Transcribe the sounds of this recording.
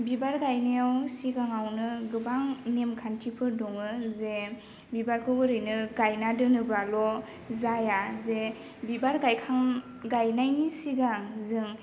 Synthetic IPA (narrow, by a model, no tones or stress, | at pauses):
bibaɾɡajnajawsiɡaŋawnɯɡɯbaŋnemkʰantʰipʰɯdɔŋɯze | bibaɾkʰɯɡɯɾɯjnɯɡajnadɯnɯbalɔ | zajaze | bibaɾɡajkʰaŋ | ɡajnajnisiɡaŋzɯŋ